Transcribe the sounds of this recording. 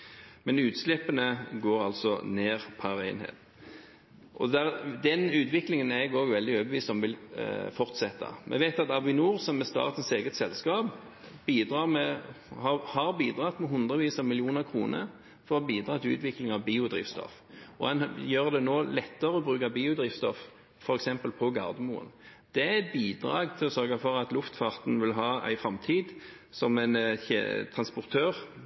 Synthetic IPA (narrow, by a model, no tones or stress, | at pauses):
mɛnʉːt̪slɛpːənəɡoːɾɑlsɔneːʁpʰæʁæɪnhḛːt̪ | ʔɔd̪æʁd̪ɛnʉːt̪ʋɪklɪŋənɛɡoːɡʋɛld̪ɪoːbəʋiːst̪ɔmʋɪlfɔʁt̪sɛt̪ːɑ̰mʔɛ̰ʋɛɪt̪ɑt̪ɑʋɪnuːʁsɔmːɛst̪ɑ̰ːʁt̪ən̩seːɡət̪sɛlskɑːb | biːd̪ʁɑːʁmɛhɑhɑʁbiːd̪ʁɑt̪mɛɦʊnd̪ʁəʋiːsɑmɪlɪuːnəʁkʰʁuːnə̰ | fɔʁɔbiːd̪ɾʁɑːt̪ʰɪlʉ̰ːt̪ʋɪklɪŋɑʋbiːʊd̪ʁḭːfst̪ɔ̰f | ɔɛnjøːʁd̪ɛnoːlɛt̪ːəʁəɔbɾʁʉːkɑbiːʊd̪ʁiːft̪st̪ɔf | fɔɾɛksɛmpəlpʰɔɡɑ̰ʁd̪əmṵːə̰nd̪̥ɛæɛɪt̪̚biːd̪ʁɑ̰ːɡt̪ʰɪlɔsœʁɡəfɔʁɑt̪lʊft̪fɑʁt̪n̩ʋɪlɦɑːæ̰ɪfɾɑmt̪ʰiːd̪ | sɔmæɪn̰t̪ʰʁɑnspʊʁt̪ʰøːʁ